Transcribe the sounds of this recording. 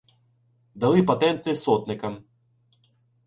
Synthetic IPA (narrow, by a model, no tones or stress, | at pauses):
d̪ɐlˠɪpɐt̪ɛnt̪nɪsɔt̪nɪkɐm